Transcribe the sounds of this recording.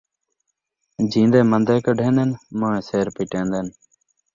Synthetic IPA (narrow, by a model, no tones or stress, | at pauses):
d͡ʒĩːnd̪eːmənd̪eːkəɖʱẽːnd̪enmə̃ːẽːseːɾpiːʈẽːnd̪eːn